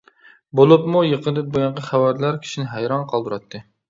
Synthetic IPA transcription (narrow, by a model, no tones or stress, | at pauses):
bolˠupmujəqʰənd̪ɨp̪̚boɡʲɑŋqɑχæwæɾlæɾkʲʰi̥ʃinɪɦæjɾɑnqʰɑlˠd̪uɾɑt̪ʰːɨ